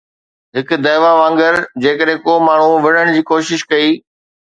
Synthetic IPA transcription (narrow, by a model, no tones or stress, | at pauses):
ɦɪk̆d̪ɐjʋaʋə̃ːŋɡəɾd͡ʑeːkəɗɦẽkoːmaːɳ̤uʋɪɽ̤əɽ̃d͡ʑiːkoːʃɪʃkɐiː